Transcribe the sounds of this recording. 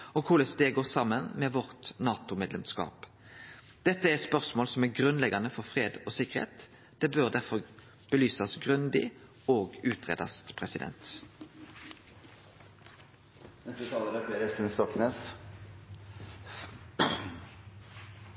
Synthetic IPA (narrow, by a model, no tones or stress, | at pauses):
ɔkʰʊləst̪eːɡoːʁsɑmənmeːʋɔʁt̪nɑːt̪ʊmeːd̪lɛmskɑ̰ːp | d̪̥ɛt̪ːəæspœʁsmoːlsɔmæʁɡʁʉnlɛɡɑnəfɔʁfʁeːd̪oːsɪkːəʁhḛːt̪ | d̪̥ɛbøʁd̪æʁfɔʁ | b̥əlyːsɑsɡʁʉnd̪ɪ̰ | oːɡʉːt̪ʰʁḛːd̪ɑ̰st̪pʰʁɛsɪd̪ɛ̰nt̪ | nɛst̪ət̪ʰɑːləɾəfeːɾɛst̪ənst̪ɔkneːs